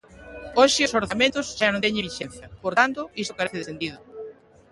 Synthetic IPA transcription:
oʃɪʊsoɾθamẽnt̪ʊsʃanõŋt̪ɛɲeβiʃen̟θjɐpoɾt̪ant̪ʊisʊ̥kaɾeθɪðesend̪iðʊ

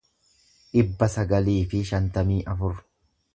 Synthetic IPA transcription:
ʔɪbːɐsɐɡɐliːfɪʃɐnt̪ɐmiːʔɐfʊɾ

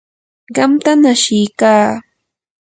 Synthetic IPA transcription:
ɢɑmt̪anaʃɪjkaː

